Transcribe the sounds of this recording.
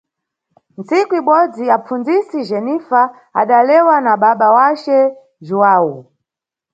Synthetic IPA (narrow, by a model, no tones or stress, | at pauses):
nt͡sikuiɓɔd͡ziapp͡fund͡zisiʒɛnifa | a̰ɗalɛwanaɓaɓawat͡ʃɛ | ʒuwaːwu